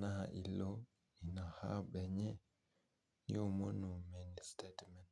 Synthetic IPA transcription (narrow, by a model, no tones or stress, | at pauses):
nahaʔilːɔ | inahabɛɲɛ | jɔmonːumɛnstetmɛn